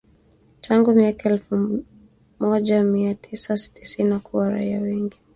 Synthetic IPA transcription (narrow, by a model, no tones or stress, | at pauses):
tʰaŋɡumiakaɛlfu | mɔʄamiatʰisasi̥ti̥sinakuwaɾa̰iawɛŋɡi